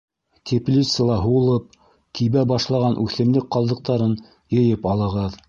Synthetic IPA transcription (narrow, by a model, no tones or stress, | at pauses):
t̪ʲʰeplʲit̪səlˠɑɦŭlˠɤp̚ | kiβæbɑʃlˠɑʁɑnʔʉθɘ̆mlɘk̚qɑlˠd̪ɤ̆q̚t̪ɑɾɤn | jɤ̆jɤpɑlˠɤ̆ʁɤð